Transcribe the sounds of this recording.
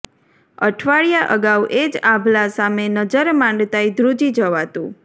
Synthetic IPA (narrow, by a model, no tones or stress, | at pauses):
ə̰ʈʰʋaɭijaʔəɡawʔed͡ʒãbʱlasamenəd͡ʒəɾmãɳɖt̪aid̪ɾud͡ʒid͡ʒəʋat̪ũ